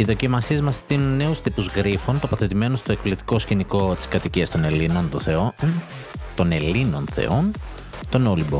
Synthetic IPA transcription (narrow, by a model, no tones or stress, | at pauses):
iðo̞cimɐsie̞zmɐst̪inunːe̞ust̪ipuzɣɾifo̞nt̪o̞pɐθe̞t̪ime̞nost̪oekplit̪i̥ko̞sciniko̞t̪i̥skɐt̪iciɐst̪o̞ne̞lino̞nt̪onθe̞on | t̪o̞ne̞lino̞nθe̞̰o̞n | t̪o̞nolibo